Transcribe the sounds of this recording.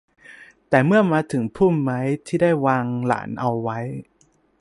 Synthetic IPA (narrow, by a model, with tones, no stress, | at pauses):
t̪ɛː˨˩mɯ˥˩ɐmaː˧t̪ʰɯ˩˦ŋpʰuː˥˩mːa˦˥jt̪ʰiː˥˩daː˥˩jwaː˧ŋla̰ː˩˦nʔa˧wːa˦˥j